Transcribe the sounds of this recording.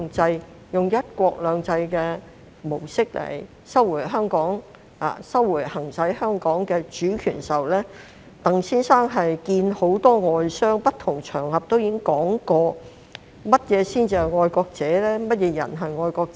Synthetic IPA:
ŋt͡sɐ˧j | jʊ˨˩ŋjɐ˥t̚kʷɔː˧k̚lœː˨ŋt͡sɐ˧jkɛː˧ | mo˨˩wsɪ˥k̚lḛ˨˩j | sɐ˥wwuː˨˩ɦœː˥ŋkɔː˨˥ŋ | a̰ː˨sɐ˥wːuː˨˩jhɐ˨˩ŋt͡sɐ˨˥jhœː˥ŋkɔː˨˥ŋkɛː˧t͡ʃyː˨˥kʰy̰ː˨˩nsɐ˨wlɛː˥ | t̪ɐ˨ŋsiː˥nsaː˥ŋɦɐ˨jkiː˧nho˨˥wt̪ɔː˥ŋɔː˨jsœː˥ŋpɐ˥t̪ʰʊ˨˩ŋt͡ʃʰœː˨˩ŋhɐ˨p̚t̪o˥wji˨˧˥ŋkɔː˨˥ŋkɔː˧ | mɐ˥t̚jɛː˨˧siː˥nt͡siː˧ɐ˨jŋɔː˧jkɔː˧k̚t͡sɛː˨˥lɛː˥mɐ˥t̚jɛː˨˧jɐ̰˨˩nɦɐ˨jŋɔː˧jkɔː˧k̚

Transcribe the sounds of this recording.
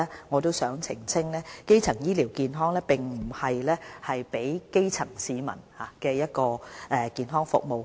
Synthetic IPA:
ŋɔː˨˧t̪o˥wsœː˨˥ŋt͡sʰɪ˨˩ŋsʰɪ˥ŋlɛː˥ke˥jt͡sʰɐ˨˩ŋjiː˥liː˨˩wkiː˨nɦɔː˥ŋlɛː˥pɪ˨ŋmm̩˨˩hɐ˨jlɛː˥hɐ˨jpe˨˥jke˥jt͡sʰɐ˨˩ŋsiː˨˧mɐ̰˨˩nhaː˨˧kɛː˧jɐ˥t̚kɔː˧ʔɛː˧kiː˨˧nɦɔː˥ŋfʊ̰˨k̚mo˨w

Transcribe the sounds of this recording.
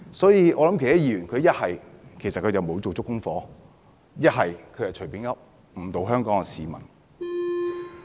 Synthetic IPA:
sɔː˨˥jiː˨˧ʔɔː˨˧lɐ˨˥mke˨t̪aː˦˥jiː˨˧ɥyː˨˩nkʰɵ˨˧ɥjɐ˥t̚hɐ˨jkʰe˨˩sɐ˨t̚kʰɵ˨˧jt͡sɐ˨wmo˨˧wt͡so˨wt͡sʊ˥kːʊ˥ŋfɔː˨˧ | jɐ˥t̚ɦɐ˨jkʰɵ˨˧ɥhɐ˨jt͡ʃʰɵ˨˩piː˨˥nŋɐ˥p̚ | m̩˨˩t̪o˨˧wɦœː˥ŋkɔː˨˥ŋɛ˨˧siː˨˧mɐ̰˨˩n

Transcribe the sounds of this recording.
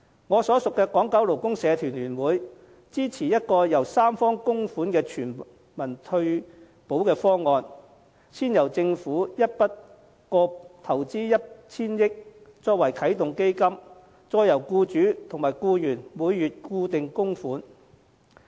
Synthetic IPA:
ŋɔː˨˧sɔː˨˥sʊ˨kːɛː˧kɔː˨˥ŋkɐ˨˥wlo˨˩wkʊ˥ŋsɛː˨˧t̪ʰyː˨˩nlyː˨˩nwuː˨˥j | t͡siː˥t͡sʰiː˨˩jɐ˥t̚kɔː˧jɐ˨˩wsaː˥mfɔː˥ŋkʊ˥ŋfuː˨˥nkɛː˧t͡ʃʰyː˨˩n | mɐ˨˩nt̪ʰɵ˧ɥ | po˨˥wkɛː˧fɔː˥ŋɔː˨˧n | t͡sʰiː˥njɐ˨˩wt͡sɪ˧ŋfuː˨˥jɐ˥t̚pɐ˥t̚ | kɔː˧t̪ʰɐ˨˩wt͡siː˥jɐ˥t̚t͡sʰiː˥njɪ˥k̚t͡sɔː˧k̚wɐ˨˩jkʰɐ˨˥jt̪ʊ˨ŋke˥jkɐ˥m | t͡sɔː˧jɐ˨˩wkuː˧t͡ʃyː˨˥t̪ʰʊ˨˩ŋmaː˨˩jkuː˧jyː˨˩nmuː˨˧jːyː˨t̚kuː˧t̪ɪ˨ŋkʊ˥ŋfuː˨˥n

